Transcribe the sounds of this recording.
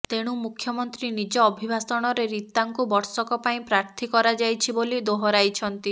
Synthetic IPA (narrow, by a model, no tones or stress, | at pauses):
t̪eɽ̃umukʰːjɔmɔnt̪ɾinid͡ʒɔːbʱibʱasɔɽ̃ɔɾeɾit̪aŋkubɔɾsɔkɔpaĩpɾaɾt̪ʰikɔɾad͡ʒajt͡ʃʰibolid̪oɦɔɾajt͡ʃʰɔnt̪i